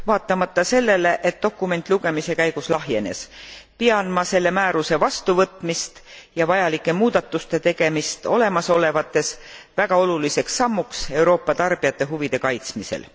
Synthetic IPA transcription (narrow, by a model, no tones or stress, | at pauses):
vɑːt̪ːˑɑmɑt̪ˑːɑse̞lːe̞le̞ʔet̪̚d̪̥o̞kːume̞nt̪ːˑluɡ̥e̞mise̞kæjɡ̥uslɑɦje̞ne̞̰spiɑnmɑse̞lːe̞mæːɾuse̞vɑst̪uvɤt̪ːˑmist̪jɑvɑjɑlikːˑe̞muːd̪̥ɑt̪ːˑust̪e̞t̪e̞ɡ̥e̞mist̪o̞̰le̞mɑso̞le̞vɑt̪ːˑe̞svæɡ̥ɑo̞lulise̞ksːɑmːukse̞wɾo̞ːpːˑɑt̪ɑrb̥ijɑt̪ˑːe̞ɦuvid̪̥e̞kɑjt̪smise̞̰l